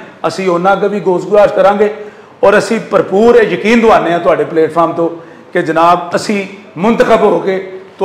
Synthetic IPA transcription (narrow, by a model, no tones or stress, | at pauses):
əsĩːonãːɡʋiːɡoːsɡʊd̪aːɾʃkəɾãːɡeː | ɔːɾəsĩːpəɾpuːɾeːjəkiːnd̪ʊaːneːãːt̪ʊaːɖeːpleːʈpʰaːɾmt̪õː | ked͡ʒənaːbəsĩː | mʊnt̪əxəbɦoːkeːt̪ʊ